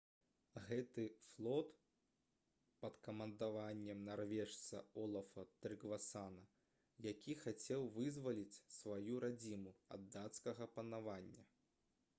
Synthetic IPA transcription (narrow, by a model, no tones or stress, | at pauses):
ɣɛt̪ɨflˠɔt̪ | pɐt̪kɐmɐnd̪avanʲːɛmnarvʲɛʂt̪sɐ̰ɔlˠɐfɐt̪ɾɨɡvasanɐ | jakʲixat͡sʲɛwvɨzvɐlʲit͡sʲsvajuɾad͡zʲimuɐ̰d̪ːat̪skɐɣɐpɐnavanʲːɐ